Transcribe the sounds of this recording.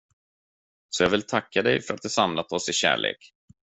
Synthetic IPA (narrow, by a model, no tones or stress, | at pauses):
sɔjɑːɡvɪlt̪ʰakːad̪ɛ̰jfœɾat̪̚d̪ɵsamlat̪ɔsɪɕæ̰ːɭʔḛːk